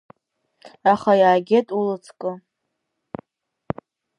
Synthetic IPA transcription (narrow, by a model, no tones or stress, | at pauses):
aχajaːɡʲetʼulɨt͡sʰkʼɨ